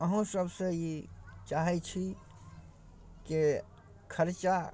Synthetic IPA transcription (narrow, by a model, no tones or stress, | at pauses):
əɦũsəbsejit͡ʃaɦɛt͡ʃʰi | ke | kʰəɾt͡ʃa